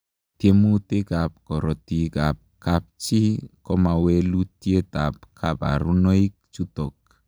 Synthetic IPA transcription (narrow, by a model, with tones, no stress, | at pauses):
tje˦mu˦te˦ka˨p̚kɔ˨ɾɔ˨ti˦ɡa˨p̚ka˨p̚t͡ʃi˦kɔ˦ma˨we˦lu˦tje˦t̪a˨pkʰa˨ba̰˨ɾu˦no˦i˦k̚t͡ʃu˦t̪o˨k̚